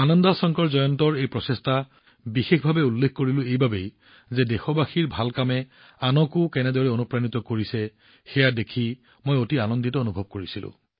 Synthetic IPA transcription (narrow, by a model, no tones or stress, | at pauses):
anɔndasɔŋkɔɹzɔjɔntɔɹejpɹɔsesta | bixexbʱabɛulːekʰkoɹilʊ̃ejbabej | zɛdexɔbaxiɹbʱalkamɛ | anɔkʊkɛnɛdɔɹɛonupɹanitɔkoɹisɛ | xɛjadekʰi | mojotianɔnditɔonubʱɔb̚koɹisilʊ̰̃